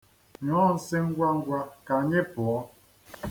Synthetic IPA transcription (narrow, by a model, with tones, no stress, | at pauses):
ɲɔ˨˦n̩˨se˦ŋ̩˦ɡwa˦ŋ̩˦ɡwa˦ka˨ɲe˦pwɔ˨˦